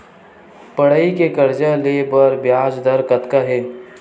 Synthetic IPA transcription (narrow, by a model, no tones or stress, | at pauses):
pəɽaikekəɾd͡ʒalepəɾbjaːd͡ʒd̪əɾkət̪kaɦeː